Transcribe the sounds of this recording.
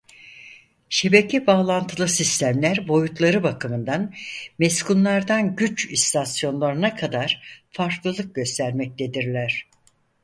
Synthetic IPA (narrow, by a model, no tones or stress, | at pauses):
ʃe̞be̞cʰɛbaːlˠant̪ʰɯlˠɯsist̪ʰæmlʲæɾbo̞jut̪lˠaɾɯbakʰɯmɯnd̪anmeskunlˠaɾd̪anɟyt͡ʃist̪ʰasjo̞nlˠaɾɯnakʰad̪aɾ̥faɾklˠɯlˠɯk̚ɟø̞st̪ʰæɾmɛc̚t̪ʰe̞d̪iɾlʲæɾ̝̥